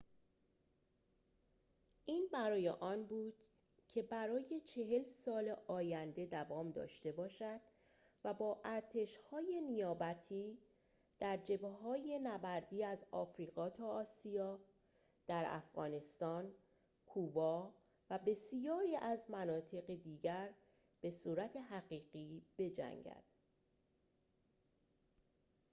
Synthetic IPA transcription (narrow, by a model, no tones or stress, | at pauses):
ʔiːnbæɾɒːje̞̰ʔɒːnbuːd̪̥ | cʰe̞bæɾɒːje̞t͡ʃʰe̞ɦe̞lsɒːleʔɒːjænd̪e̞d̪ævɒːmd̪ɒ̰ːʃt̪e̞bɒːʃæd̪̥ | væbɒːʔæɾt̪ʰe̞ʃhɒːje̞nijɒːbæt̪ʰiː | d̪̥æɾd͡ʒe̞beɦɒːje̞næbæɾd̪iːæzɒ̰ːfɾiːɣɒːt̪ʰɒːsijɒː | d̪̥æɾæ̰fɣɒ̰ːne̞st̪ɒːn | kʰuːbɒː | væbe̞sijɒːɾiːʔæzmænɒːt̪ʰe̞ɣed̪iːɟæɾ | b̥e̞suːɾæt̪ʰe̞ɦæɣiːɢiːb̥e̞d͡ʒæ̰ŋɟæ̰d̪̥